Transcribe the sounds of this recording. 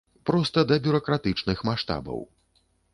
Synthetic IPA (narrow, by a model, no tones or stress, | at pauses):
pɾɔst̪ɐd̪ɐbʲuɾɐkɾat̪ɨt͡ʂnɨxmaʂt̪a̰bɐ̰w